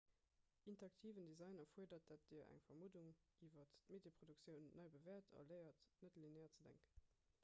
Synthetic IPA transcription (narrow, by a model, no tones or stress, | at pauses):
ʔintɐɑk̚tʰiːvəndezɑɪnɐfuəɐdɐt̚d̥at̚d̥iːɐʔæ̰ŋfɐmuduŋiːvɐttmedjepχoduk̚t͡sjəʊnːɑɪbəvɛːɐtʰɑ̰lɜɪɐtnətlinæːɐt͡sədæ̰ŋkə